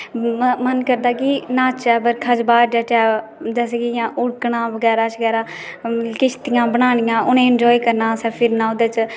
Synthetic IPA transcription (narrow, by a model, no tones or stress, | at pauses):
mənkəɾd̪aːkinãːt͡ʃɛːbəɾkʰəd͡ʒbaːɾd͡ʒɛːʈɛː | d͡ʒɛːs̬eːɡijãːʔʊɽkɽãːbəɡɛːɾaːt͡ʃəɡɛːɾaː | kɪt͡ʃʰt̪ɪjãːbəɽ̃aːñɪjãːʔʊnẽːɪnd͡ʒɔːiːkəɾnãːsɛːpʰɪɾnãːʊd̪eːt͡ʃ